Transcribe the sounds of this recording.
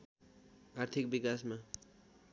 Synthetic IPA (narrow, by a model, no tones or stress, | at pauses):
art̪ʰik̚bikasma